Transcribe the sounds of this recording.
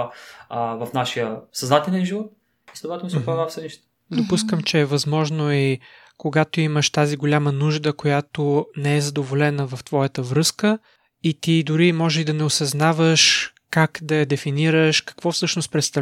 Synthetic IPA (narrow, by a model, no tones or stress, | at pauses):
vɐfnaʃijəsɐznat̪ɛlʲɛnʒivɔt̪̚ | slɛd̪ʊvat̪ɛlmisopavafsəniʃt̪ɛ̥ | d̪opuskəmt͡ʃɛːvɐzmɔʒnoi | koɡat̪oiməʃt̪aziɡolʲamənuʒd̪əkojat̪onɛɛzɐd̪ovolɛnəvɐft̪vɔjət̪əvɾɤskə | it̪id̪ʊɾimɔʒɛid̪ɐnɛosɐznavəʃ | kakd̪ɐjɐd̪ɛfiniɾəʃkɐ̥kvɔfsɤʃnost̪̚pɾɛt̪st̪ɐ